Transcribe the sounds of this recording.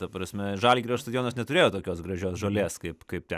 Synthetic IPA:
t̪ɐpɾɐsʲmʲɛʒɑːlʲɡʲiɾʲoːst̪ɐd̪ʲɪjoːnosnʲɛt̪ʊɾʲeːjoːt̪oːkʲoːsɡɾɐʒʲoːsʒoːlʲeːskɐɪpkɐɪp̚tʲɛ

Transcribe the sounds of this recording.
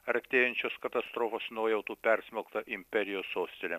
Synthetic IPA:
ɐɾt̪ʲeːjɛnʲt͡ʃʲoːskɐt̪ɐst̪ɾoːfoːsnoːjɛʊt̪uːpʲɛɾʲsʲmʲokt̪ɐʔɪmʲpʲɛɾʲɪjoːsoːsʲt̪ʲelʲɛ

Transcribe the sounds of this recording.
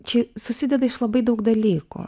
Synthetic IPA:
t͡ʃɪsʊsʲid̪ʲɐd̪ɪʃlˠɐbɪjd̪owxd̪ɐlʲikɔ̰

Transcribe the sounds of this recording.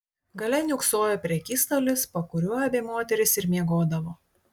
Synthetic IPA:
ɡɐlʲɛnʲʊksoːjɛpʲɾʲɛkʲiːst̪oːlʲɪspɐkʊɾʲuɔjɛbʲeːmoːt̪ʲɛɾʲɪsɪɾmʲiɛɡoːd̪ɐʋoː

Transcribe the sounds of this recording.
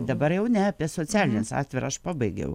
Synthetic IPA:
d̪ɐbɐɾjɛʊnʲɛɐpʲiɛsoːt͡s̪ʲæːlʲɪnʲɛsɑ̰ːt̪ʲʋʲɛɾɐʃpɑːbɐɪɡʲɛ̰ʊ

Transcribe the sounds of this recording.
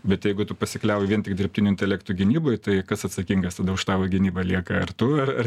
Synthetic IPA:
bʲɛt̪jɛɪɡʊt̪ʊpɐsʲɪklʲɛʊjɪʋiɛnt̪ʲɪkd̪ʲɪrpʲt̪ʲɪnʲʊɪnʲt̪ʲɛlʲæːkt̪ʊɡʲɪnʲiːboːjt̪ɐɪkɐsɐt̪sɐkʲiːŋɡɐst̪ɐd̪ɐʊʃt̪ɑːʋoːɡʲɪnʲiːbɐlʲiɛkɐɐrt̪ʊɐrɐr

